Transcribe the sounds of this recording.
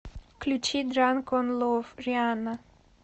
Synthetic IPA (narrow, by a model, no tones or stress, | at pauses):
klʲut͡ʃid̪ɾankonlofɾʲiana